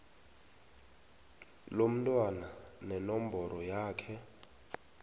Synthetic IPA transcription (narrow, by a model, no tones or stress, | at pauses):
lom̩tʼwananɛnɔmbɔɾɔjaːkʰɛ